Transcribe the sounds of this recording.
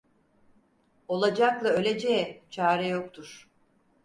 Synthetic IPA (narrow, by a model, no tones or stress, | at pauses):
o̞lˠad͡ʒaklˠaø̞lʲed͡ʒejɛt͡ʃʰaːɾɛjo̞k̚t̪ʰuɾ̥